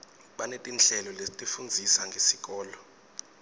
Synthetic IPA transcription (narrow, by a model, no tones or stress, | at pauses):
ɓanetʼinɬɛlɔletʼifund͡zʱisaŋɡʱesik̬ɔːlɔ